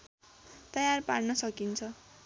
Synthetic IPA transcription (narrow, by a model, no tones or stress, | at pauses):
t̪ʌjarparnʌsʌkint͡sʰʌ